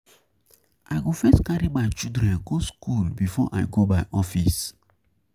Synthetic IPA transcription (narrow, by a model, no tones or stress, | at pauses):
ʔaɪɡofɛstkaɹimaɪt͡ʃidɹɛ̃nɡoskulbifɔ̰ʔa̰ɪɡobaɪʔɔfis